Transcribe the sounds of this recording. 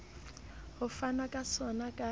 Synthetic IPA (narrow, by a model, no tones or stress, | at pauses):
hʊfanakʼasɔnakʼa